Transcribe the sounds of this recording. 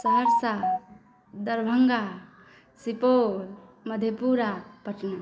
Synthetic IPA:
səɦəɾsa | d̪əɾbʱəŋɡa | sipo | məd̪ʱjepuɾapəʈna

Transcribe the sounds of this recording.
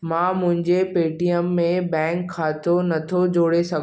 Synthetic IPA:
mãːmʊ̃ɦɪ̃ɲd͡ʑepeːʈijəmːẽbɛ̃ːŋkʰːaːt̪onɐt̪ʰod͡ʑoːɽesɐɡ

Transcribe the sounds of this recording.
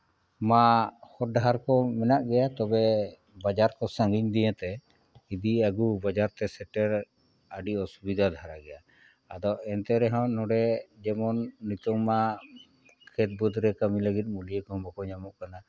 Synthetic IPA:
mahɔɖaɦaɾkɔmɛnaʔɡɛjat̪ɔbɛ | bad͡ʒaɾkɔsãŋɡiɲd̪ijət̪ɛ | id̪iaɡubad͡ʒaɾt̪ɛsɛʈɛɾ | əɖiɔsubid̪ʱad̪ʱaɾaɡɛja | ad̪ɔɛnt̪ɛɾɛɦɔ̃nɔɖɛd͡ʒɛmɔnːit̪ɔŋːa | kʰɛt̪̚bud̪ɾɛkamiləɡit̪̬̚mulijəkɔɦɔ̃bakɔɲamɔʔkana

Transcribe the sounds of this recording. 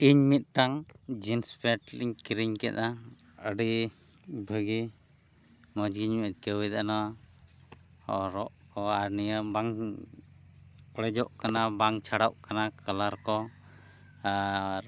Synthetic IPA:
iɲmit̪̚ˀʈaŋd͡ʒinspaʈliɲkɾiɲkɛt̪a | əɖi | bʱəɡi | mɔd͡ʒɡiɲmɛt̪̚kəwɛd̪ana | ɔ̰ɾɔʔkɔaɾnijabaŋ | ɔɽɛd͡ʒɔʔkanabaŋt͡ʃʰaɽaʔkanakʰalaɾkɔ | aɾ

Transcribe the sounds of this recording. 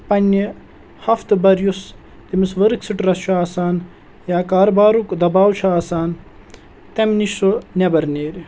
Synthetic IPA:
pɐnʲːi | hɐft̪bɐɾjus | t̪imisʋɐɾksiʈɾɐst͡ʃʰuaːsaːn | jaːkaːɾbaːɾukd̪ɐbaːwt͡ʃʰaːsaːn | t̪emniʃunʲebɐɾneːɾʲ

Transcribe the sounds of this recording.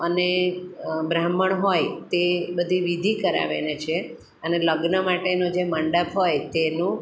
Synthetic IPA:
əne | bɾaməɳɦojt̪ebəd̪ʱiʋid̪ʱikəɾa̰ʋḛnet͡ʃʰe | əneləɡnəmaʈenod͡ʒeməɳɖəpɦojt̪enũ

